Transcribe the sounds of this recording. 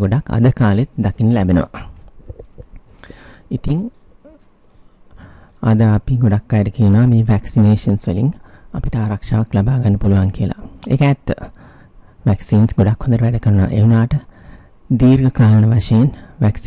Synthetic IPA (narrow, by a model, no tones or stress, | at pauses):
ɡoɖakːa̰d̪əkaːlet̪d̪akinəlæbenə̰ʋa̰ | it̪iŋ | ad̪əapiɡoɖakːajʈəkiənʋameːʋæksineːʂənsʋəliŋapiʈəaːɾakʂaːʋaklabaːɡanːəpuluʋaŋkiəla̰ḛkəːt̪ːə | ʋæksiːnsɡoɖakhond̪əɾəʋæɖəkəɾnʋa̰ʔejunaːʈə | d̪iːɾɡəkaːɾənəʋaʂejenʋæks